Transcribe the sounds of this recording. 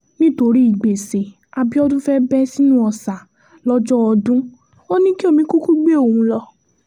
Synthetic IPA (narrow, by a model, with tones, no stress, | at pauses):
nĩ˦to˧ɾi˦i˦˨ɡ͡be˨se˨ | a˧bi˦ɔ˦dũ˦fɛ˦bɛ˦si˦nũ˦ɔ˧sa˨ | lɔ˦d͡ʒɔ˦ɔ˧dũ˦ | o˦nĩ˦ki˦o˦˨mĩ˧˦ku˦ku˦ɡ͡be˦o˦˨ũ˧˦lɔ˧